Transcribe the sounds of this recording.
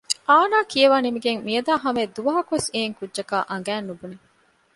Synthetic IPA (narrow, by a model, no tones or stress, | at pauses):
ʔaːnaːkiɐʋaːnimiɡeŋmijɐd̪aːɦɐmed̪uʋɐɦɐkuʋeseːŋkudːʒɐka̰ːʔɐŋɡæːnːubune